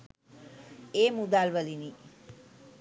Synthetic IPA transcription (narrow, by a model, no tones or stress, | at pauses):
emud̪alʋəlini